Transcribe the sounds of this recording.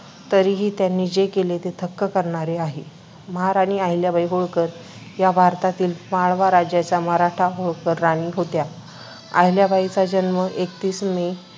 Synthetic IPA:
t̪əɾiɦiːt̪janːid͡ʑekelet̪et̪ʰəkːəkəɾɳ̃aɾeaɦe | məɦaɾaɽ̃iːaɦiljabʱaiɦoɭkəɾ | jabʱaɾt̪at̪iːlmaɭʋaɾad͡ʑjat͡ɕaməɦɾaʈʰaɦoɭkəɾːañiːɦot̪ja | a̰ɦiljabʱait͡sad͡ʑənʋəʔekt̪iːsme

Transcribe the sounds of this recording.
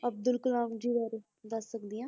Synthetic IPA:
əb̚d̪ʊlkəlaːmd͡ʒiʋəɾ | d̪əsːək̚d̪ijãː

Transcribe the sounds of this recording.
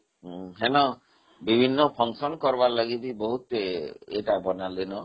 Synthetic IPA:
ɦenɔ | bibʱinːɔpʰɔŋsɔnkɔɾbalaɡit̪ibɔɦut̪eḛʈabɔnalinɔ

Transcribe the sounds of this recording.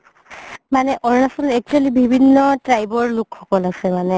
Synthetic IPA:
manɛʔɔɹnasɔntɛk̚t͡ʃualibʱibʱinːɔtɹajbɔɹlukʰxɔkɔlasɛmanɛ

